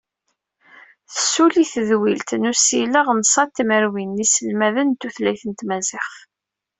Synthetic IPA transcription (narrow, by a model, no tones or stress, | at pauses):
θə̥suliθəðwilt̪nusiləʁnsˤɑt̪ːiməɾwinːisəlmæðənt̪ːuθlæjθənt̪mæzɪχ